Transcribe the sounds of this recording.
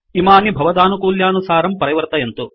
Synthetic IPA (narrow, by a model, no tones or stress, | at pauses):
imaːnibʱɐʋɐd̪aːnukuːljaːnusaːɾɐmpɐɾɐjʋɐɾt̪ɐjent̪u